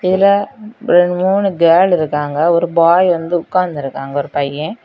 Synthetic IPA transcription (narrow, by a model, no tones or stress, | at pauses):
ɪðɪlɐɾɛɳmuːnɯɡeːlɪɾɯkːaːŋɡɐɔɾɯbaːjʋɐnd̪ɯʊkːaːnd̪ɪɾɯkːaːŋɡɐɔɾɯpɐjːɛ̃